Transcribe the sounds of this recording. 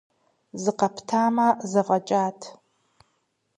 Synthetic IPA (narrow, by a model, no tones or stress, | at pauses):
zɨqɐpʰtʰaːmɐzɐʁɐt͡ʃʼaːtʰ